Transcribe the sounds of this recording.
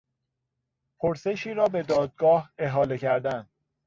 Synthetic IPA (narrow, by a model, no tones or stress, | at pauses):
pʰoɾse̞ʃiːɾɒːbe̞d̪ɒːd̪̚ɡɒːhe̞ɦɒːle̞cʰæɾd̪æn